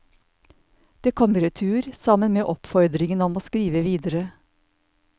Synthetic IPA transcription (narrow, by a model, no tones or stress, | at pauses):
d̪̥eːkʰɔməɾet̪ʰʉːɾsɑmənmeːʔɔpfɔɾd̪ɾɪŋənɔmoːskɾiːʋəʋiːd̪əɾə